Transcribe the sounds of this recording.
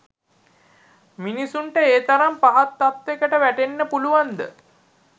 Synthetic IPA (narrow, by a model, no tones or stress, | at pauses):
minisuɳʈəeːt̪aɾampaɦat̪ːat̪ːekəʈəʋæʈenːəpuluʋand̪ə̰